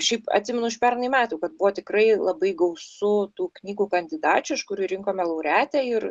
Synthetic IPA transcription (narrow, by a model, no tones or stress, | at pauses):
ʃʲɛɪpɐ̰t̪sʲɪːmʲɛnʊɪʃpʲɛrnjmʲæːt̪uːkɐt̪̚bʊʋoːt̪ʲɪkrɐɪlˠɐbɐɪɡɐʊsʊt̪uːknʲiːɡuːkɐnʲd̪ʲɪd̪ɑːt͡ʃʲʊɪʃkʊɾʲiːɾʲɪŋkoːmʲɛlˠɐʊɾʲæːt̪ʲɛɪr